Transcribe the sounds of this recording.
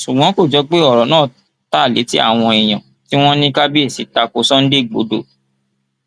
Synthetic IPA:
ʃu˨ɡ͡bɔ̃˨˦ko˦˨d͡ʒɔ˨˦k͡pe˦ɔ˨ɾɔ˨˦nãː˦˨ | ta˦˨lḛ˨˦ti˦a̰˦˨w̃ɔ̃˧i˨j̃ã˨ | ti˦w̃ɔ̃˦nĩ˦ka˦bi˦e˦˨si˨˦ta˧ko˧sɔ̃˦n̩˦de˦˨ɡ͡bo̰˨˦do˦˨

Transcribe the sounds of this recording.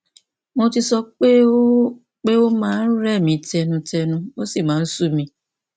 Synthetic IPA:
mo˧ti˧sɔ˧k͡pe˦ | k͡pe˦o˦mãː˦n̩˦ɾɾɛ˦˨mĩ˨˧tɛ˧nũ˧tɛ˧nũ˧wo˦si˦˨mãː˨˦n̩˦su˦˨mĩ˧

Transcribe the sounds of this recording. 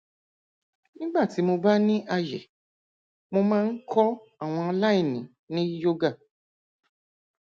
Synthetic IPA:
nĩ˦ɡ͡ba˦˨ti˨˦mo˧ba˦nĩ˦a˧jɛ̰˨ | mo˧mãː˦˧n̩˦kʰɔ˦ | a˦˨w̃ɔ̃˧ɔ˧la˦e˦˨nĩ˨˦ | nĩ˦jo˦ɡa˦˨

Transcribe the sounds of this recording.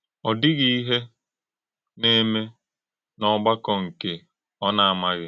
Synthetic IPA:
ɔ˨dɪ˦ɣi˦i˦ɦe˦ | ne˦me˦ | nɔ˦ɡ͡ba˦kɔ˨ŋ̩˨ke˦ | ɔ˦na˨a˨ma˦ɣɪ˦

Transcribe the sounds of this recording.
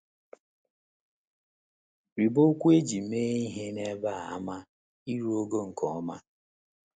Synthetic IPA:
ɾi˨bo˦kʷu˦e˦d͡ʒi˨m̩˨meː˦i˦ɦe˦ne˦ba˦˨a˦ma˦ | i˦ɾu˦o˦ɡo˦ŋ̩˨kɔ˨ɔ˦ma˦

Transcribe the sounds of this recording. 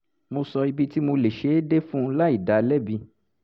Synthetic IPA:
mo˧sɔ˧i˧bi˦ti˦mo˧le˨ʃe˨˦de˦fũ˦˧˦la˦i˦˨da˨lɛ˦bi˧

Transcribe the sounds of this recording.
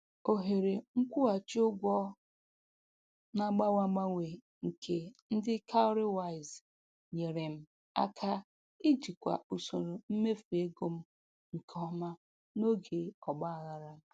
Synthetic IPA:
o˨ɦe˨ɾe˨ŋ̩˦kʷu˦a˨t͡ʃi˦ʊ˦ɡʷɔ˦ | na˦ɡ͡ba˦wa˨˦ɡ͡ba˦ŋʷe˨ | ŋ̩˨kʰe˦n̩˦dɪ˦kʰa˦ʊ˦ɾɪ˦wa˦˨ɪ˨z | ɲe˨ɾe˨m̩˦ | a̰˦kʰa˦ | i˦d͡ʒi˨kʷa̰˨u˨so˨ɾo˨m̩˦me˦fe˦ɡo˦m̩˦ | ŋ̩˨kʰɔ˦ma˦ | no˦ɡe˨ɔ˨ɡ͡ba˦a˨ɣa˨ɾa˦˨

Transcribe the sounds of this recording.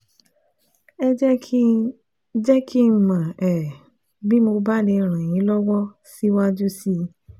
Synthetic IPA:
ɛ˦ | d͡ʒɛ˦kʰi˦˨mã˨ɛ˨ | bi˦mo˧ba˦le˧ɾ̃ã˨j̃ĩ˨˦lɔ˦wɔ˦ | si˦wa˦d͡ʒu˦si˧˦

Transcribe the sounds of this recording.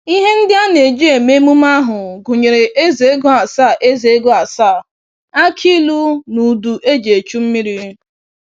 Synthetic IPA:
i˦ɦe˦n̩˦dɪ˦a˦ne˨d͡ʒi˦e˨me˦mu˦m˦a˦ɦʊ˨ɡʊ˨ɲe˨ɾe˨ʔe˦ze˨e˦ɡʊ˦a˨sa˦˨ʔe˦ze˨˦ɡʊ˦a˨sa˦˨ | a˦kʰi˦lu˦nu˨du˨ʔe˦d͡ʒe˨t͡ʃu˦m̩˦mi˦ɾi˦

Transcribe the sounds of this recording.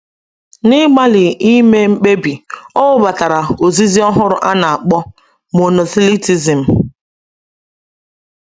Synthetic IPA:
nɪ˦ɡ͡ba˦lɪ˨i˦me˦ŋ͡m̩˦k͡pe˦bi˨ɔ˦ʊ˦ba˨ta˨ɾa˨o˨zi˦zi˦ɔ˦ɦʊ˦ɾʊ˦ʔa˦na˨a˨k͡pɔ˦ | mo˨no˨si˦li˦ti˨zi˨m̩˨

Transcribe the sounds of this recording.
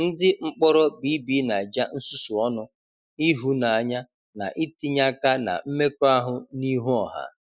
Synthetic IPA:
n̩˦dɪ˦ŋ͡m̩˦k͡pɔ˦ɾɔ˦bi˦bi˦na˨d͡ʒa˦n̩˦su˦su˨ɔ˦nʊ˦ | i˦ɦu˦na˨a˨ɲa˦ | na̰˨ʔɪ˦ti˦ɲa˦ka˦na̰˨m̩˦me˦kɔ˦a˦ɦʊ˨ni˦ɦu˦ɔ˨ɦa̰˨˦

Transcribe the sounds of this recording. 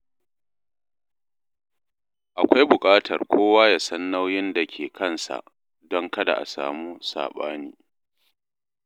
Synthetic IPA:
ʔa˨kʷa˦jbʊ˨kʼaː˦tʰɐ̰˨rkʷʰoː˦waː˦ja˨sɐ˦nːa˦wjɪ˦nda˨kʲʰeː˨kʰɐ˦˨nsa̰˨ʔ | dɔ˦ŋkɐ˦da̰˨ʔa̰˨sa̰ː˨muː˦sa̰ː˨ɓa̰ː˦niː˦

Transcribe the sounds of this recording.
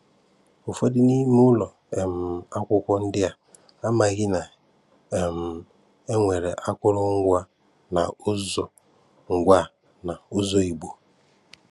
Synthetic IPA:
ʊ˨fo˦dɪ˦ni˦mu˦lɔ˨ | e˨m̩˨a˦kʷʊ˦kʷɔ˦n̩˦dɪ˦a˨ | a˦ma˨ɣɪ˦na˨ | e˨m̩˨ | e˦ŋʷe˨ɾe˨ʔa˦kʷʊ˦ɾʊ˦ŋ̩˦ɡʷa˦ | na̰˨ʊ˦zɔ˨ | ŋ̩˨ɡʷa˦˨ | na˨ʊ˦zɔ˦i˨ɡ͡bo˨

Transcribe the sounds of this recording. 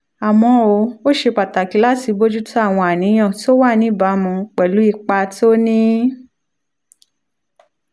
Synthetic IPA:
a˨mɔ̃˧o˨˧˦o˦ʃe˧k͡pa˨ta˨ki˨˦la˦ti˨˧bo˦d͡ʒu˦ta˦˨w̃ɔ̃˧a˨nĩ˨˦j̃ã˦˨ti˦o˦wa˦˨nĩ˨˦ba˨˦mũ˧k͡pɛ˨lu˨˦i˦˨k͡pa˧ti˦o˦nĩ˦

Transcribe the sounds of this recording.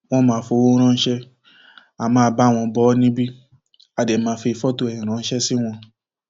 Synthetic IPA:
w̃ɔ̃˦mãː˨˦fo˧˦wo˦ɾ̃ã˦˧n̩˦ʃɛ˦ | a˨mãː˦˧ba˦˨w̃ɔ̃˧bɔ˦nĩ˦bi˦ | a˨dɛ˨˦mãː˧˦fe˧i˧fɔ˦to˧ɛ˨ĩ˨ɾ̃ã˨˦n̩˦ʃɛ˦si˦w̃ɔ̃˧

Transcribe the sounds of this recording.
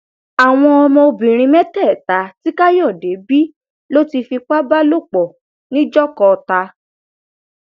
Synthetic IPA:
a˨w̃ɔ̃˧ɔ˧mɔ̃˧o˧bĩ˨ɾ̃ĩ˧mɛ̃˦tɛ˦˨ta˨˦ti˦ka˦jɔ˦˨de˨˦bi˦ | lo˦ti˧fi˧k͡pa˦ba˦lo˦˨k͡pɔ˨ | nĩ˦d͡ʒɔ˦kɔ˧ta˧

